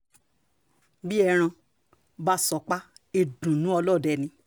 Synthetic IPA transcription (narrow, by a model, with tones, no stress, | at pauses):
bi˦ɛ˧ɾ̃ã˧ | ba˦sɔ˨˦k͡pa˦e˧dũ˨nũ˨˦ɔ˧lɔ˦˨dɛ˧˨nĩ˧